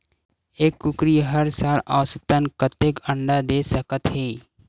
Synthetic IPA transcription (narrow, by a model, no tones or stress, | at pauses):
eːkːʊkɾijɦəɾsaːlaːsət̪ənkət̪ekə̃ɳɖad̪eːsəkət̪ɦeː